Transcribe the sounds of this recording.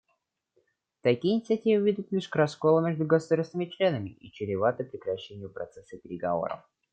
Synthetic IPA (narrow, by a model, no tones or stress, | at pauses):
t̪ɐkʲijɪnʲɪt̪sɨɐtʲivʲɪvʲid̪ʲʊt̪lʲiʂkɾɐskolˠəmʲeʐd̪ʊɡəsʊd̪arsnəmʲɪt͡ɕlʲe̞nəmʲɪʔit͡ɕɪɾʲɪvat̪əpɾʲɪkɾɐɕːenʲɪjʊpɾɐt̪sɛsəpʲɪɾʲɪɡɐvo̞̰ɾə̰f